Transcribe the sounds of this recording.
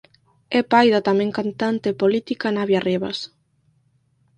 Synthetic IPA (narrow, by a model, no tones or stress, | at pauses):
ɛpajðat̪amẽŋkant̪ant̪epolit̪ikanaβjareβa̰s